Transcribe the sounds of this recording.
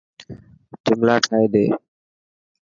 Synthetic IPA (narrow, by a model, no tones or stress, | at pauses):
d͡ʒɪmlaːʈʰaːeːd̪eː